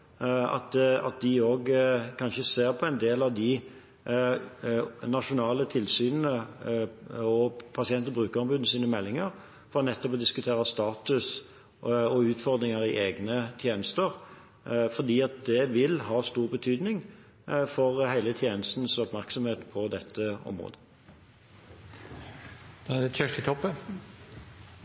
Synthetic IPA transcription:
ɑ̰t̪ɑ̰t̪̚d̪ɪoːɡkʰɑnʃəseːʁpʰɔɛɪnd̪eːlɑʋd̪ɪ | nɑʂʊnɑːlət̪ʰɪlsyːnənə | ɔpʰɑsɪɛnt̪ɔbʁʉːkəʁɑmbʉːd̪nəsiːnəmɛlːɪŋəʁ | fɔʁɔnɛt̪ːɔpɔd̪ɪskʉt̪ʰeːʁəst̪ɑːt̪ʉs | ɔʉːt̪fɔʁd̪ɾɪŋəʁɪʔeːɡnət̪ʰjeːnəst̪əʁ | fɔd̪iːɑt̪̚d̪ɛʋɪlhɑːst̪uːʁbət̪ʰyːd̪nɪŋ | fɔʁhæɪlət̪ʰjeːnəst̪n̩sɔpmæʁksɔmheːt̪pʰɔd̪ɛt̪ʰːəɔ̰mʁo̰ːd̪ə | d̪̥ɛæd̪ɛœʂʈɪt̪ʰɔpːə

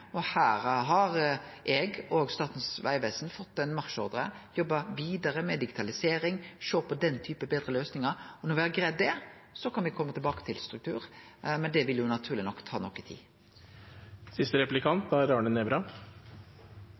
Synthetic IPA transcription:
ɔhæːɾɦɑɾʔɛɡoːɡst̪ɑːt̪n̩sʋæ̰ɪʋeːsnfɔt̪ːɛnmɑʁʃɔɾd̪ɾə | jɔbːɑʋiːd̪ɑɾəmɛd̪ɪɡɪt̪ʰɑlɪseːɾɪŋʃoːpʰɔd̪ɛnt̪ʰyːpəbeːd̪ɾəløːsnɪŋəɾɔnɔʋɪhæɾɡɾɛːd̪ːɛ | sɔkʰɑnʋɪkʰɔmːət̪ɪlbɑːkə̥t̪ʰɪlst̪ɾʉk̚t̪ʰʉ̰ːɾ | mɛnd̪ɛʋɪljʊnɑt̪ʰʉːɾlɪnɔkːt̪ʰɑ̰ːnɔkːɪt̪ʰḭː | sɪst̪əɾɛplɪkʰɑnt̪̚d̪ɑæɾɑːɳənɛbɾɑ

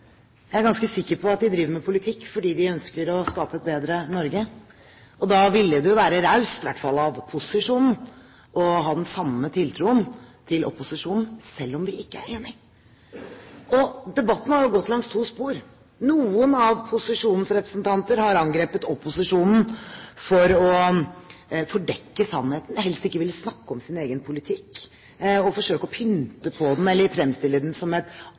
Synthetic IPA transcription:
jææɾɡɑnskəsɪkːəɾpʰɔɑt̪̚d̪ɪd̪ɾiːʋəɾmɛpʰʊlɪt̪ʰɪkːfɔɖiːd̪ɪœnskəɾɔskɑːpəɛt̪̚beːd̪ɾənɔɾɡə | ɔd̪ɑːʋɪlːəd̪ɛjʊʋæːɾəɾaʉsɪʋæʈːfɑ̰lːɑʋpʰʊsɪʂuːnn̩ | ʔɔɦɑːd̪ɛnsɑmːət̪ʰɪlt̪ʰɾuːənt̪ʰɪlʔɔ̰pʊsɪʂuːnn̩sɛlːɔmʋɪɪkːəæ̰ɾeːnɪ | ʔɔd̪ɛbɑt̪ːn̩hɑɾjʊɡɔt̪ːlɑŋst̪ʰuːspuːɾ | nuːənɑʋpʰʊsɪʂuːnn̩sɾɛpɾəsnt̪ʰɑnt̪əɾhɑɾɑŋɡɾeːpət̪ɔpʊsɪʂuːnn̩fɔɾɔ | fɔɖɛkːəsɑnheːt̪n̩hɛlst̪ɪkːəʋɪlsnɑkːəɔmsɪneːɡənpʰʊlɪt̪ʰɪkː | ɔfɔʂøːkəɔpʰʏnt̪əpʰɔd̪ɛn̩ɛlːəɾfɾɛmst̪ɪlːəd̪ɛnsɔmɛt̪

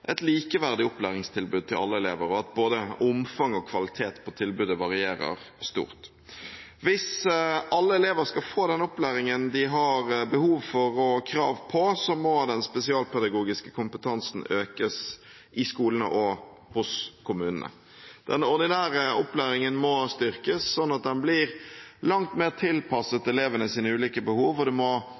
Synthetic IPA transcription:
ʔɛt̪liːkəʋæʁd̪ɪʊplæːʁɪŋst̪ʰɪlbʉd̪̚t̪ʰɪlʔɑ̰lːəɛleːʋəɾɔɑt̪̚boːd̪əʊmfɑŋɔkʰʋɑlɪt̪ʰeːt̪pʰɔt̪ʰɪlbʉːd̪əʋɑʁɪeːɾə̰ʁ | st̪ṵːʁt̪ | ʋɪsɑlːəɛleːʋəɾskɑlfoːd̪ɛnɔplæːɾɪŋənd̪ɪɦɑɾbəhuːʋfɔɾɔkʰɾɑːʋpʰɔsɔmɔd̪ɛnspɛsɪɑːlpʰɛd̪ɑɡuːɡɪskə̥kʰʊmpət̪ʰɑnsn̩øːkəs | ʔɪskuːlənə̰ʔɔ | hʊskʰʊmʉːnənə̰ | d̪̥ɛnɔʁd̪ɪnæːɾəʊplæːɾɪŋənmɔst̪ʏʁkəsːɔnːɑt̪̚d̪ɛnblɪɾlɑŋt̪meːʁt̪ʰɪlpʰɑsət̪ɛleːʋənəsiːnəʉːliːkəbəhuːʋɔd̪ɛmɔ

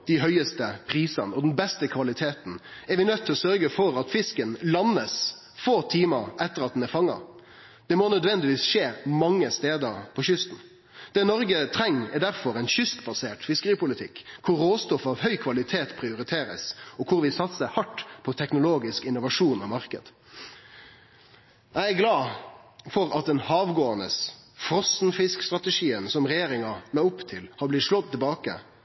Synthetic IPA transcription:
d̪̥ɪɦœʏəst̪əpʰɾiːsɑ̰nəɔd̪ɛnbɛst̪əkʰʋɑlɪt̪ʰeːt̪n̩ɛɾʋɪnœt̪ʰːɪlɔsœɾɡəfɔɾɑt̪fɪskənlɑnəs | foːt̪ʰiːməɾʔɛt̪ːəɾɑt̪̚d̪ɛnɛfɑŋːɑ̰ | d̪̥ɛmɔnœd̪ʋɛnd̪ɪʋiːsʂeːmɑŋːəst̪eːd̪əɾpʰɔçʏst̪n̩ | d̪̥ɛnɔɾɡət̪ʰɾɛŋːɛɾd̪æɾfɔɾɛɪnɕʏst̪bɑseːʈfɪskəɾiːpʊlɪt̪ʰɪkːkʰʊɾːoːst̪ɔfɑʋhœʏkʰʋɑlɪt̪ʰeːt̪pʰɾɪʊɾɪt̪ʰeːɾə̰sɔkʰʊɾʋɪsɑt̪səhɑʈːpʰɔt̪ʰɛknʊloːɡɪskɪnʊʋɑʂuːnɔmɑɾkəd̪ | æɪæɡlɑːfɔɾɑt̪̚d̪ɛnhɑːʋɡoːɑnəsfɾɔsnfɪskst̪ʁɑt̪əʂiːənsɔmʁɛjeːɾɪŋɑnɑʊpt̪ʰɪlhɑɾblɪt̪ʂlɔd̪̚t̪ɪlbɑːkə̰

